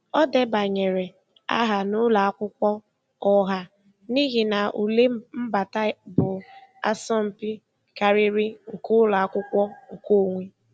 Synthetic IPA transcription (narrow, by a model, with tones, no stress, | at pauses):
ɔ˦de˦ba˨ɲe˨ɾe˨ | a̰˦ɦa˨nʊ˦la˨a˦kʷʊ˦kʷɔ˦ | ɔ˦ɦa˦ | ni˦ɣi˨na˨ʔu˨le˦m̩˦ba˨ta˦bʊ˨a̰˦sɔ˦m̩˨pi˦ | ka˨ɾɪ˦ɾɪ˦ŋ̩˨kʊ˦la˨a˦kʷʊ˦kʷɔ˦ŋ̩˨ko˦˨ŋʷe˦